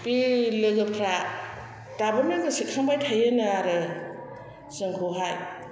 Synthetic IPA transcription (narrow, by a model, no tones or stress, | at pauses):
pilɯɡɯpʰɾa | d̥abamenɡɯsikʰaŋbajtʰajɯnɯaɾɯ | sɯŋkʰoɦaj